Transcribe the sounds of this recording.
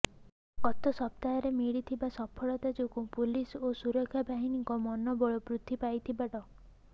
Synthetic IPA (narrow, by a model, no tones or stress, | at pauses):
kɔt̪ɔsɔp̚t̪ajɔɾemiɽit̪ʰibasɔpʰɔɭɔt̪ad͡ʒokupulisosuɾɔkʰːjabʱaɦiniŋkɔmɔnɔbɔɭɔpɾut̪ʰːipajt̪ʰibaʈɔ